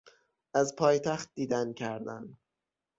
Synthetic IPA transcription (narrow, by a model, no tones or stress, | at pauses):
ʔæzpʰɒːjt̪ʰæxt̪̚d̪iːd̪æncʰæɾd̪æn